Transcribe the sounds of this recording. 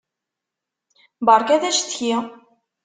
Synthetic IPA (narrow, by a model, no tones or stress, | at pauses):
bɑɾˤkæðæʃθçi